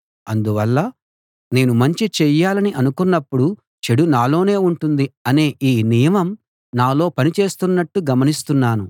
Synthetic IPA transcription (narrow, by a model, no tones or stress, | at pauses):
ɐnd̪uʋɐlːɐ | ne̞ːnumɐɲt͡ʃit͡ʃɛjːaːlɐniʔɐnukunːɐpːuɽu | t͡ʃeɽunaːlo̞ːne̞ːuɳʈund̪iɐne̞ːʔiːnijɐmɐm | naːlo̞ːpɐnit͡ʃe̞ːst̪unːɐʈːuɡɐmɐnist̪unːaːnu